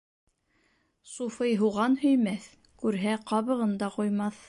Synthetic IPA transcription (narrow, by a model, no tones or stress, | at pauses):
sufɤjɦuʁɑnhɵ̆jmæθ | kʉɾɦæqɑβɤ̆ʁɤ̆nd̪ɑqujmɑθ